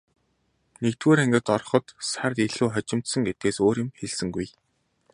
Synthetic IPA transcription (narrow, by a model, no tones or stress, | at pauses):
nekt̪wuːɾæŋɡʲɪ̆t̪ɔrχɞ̆t̪sart̪iɮuːχɔt͡ɕɪ̆m̥t̪sə̆ŋɡet̪̚ɡeːsoːɾjɪ̆mxeɮsɘ̆ŋɡuj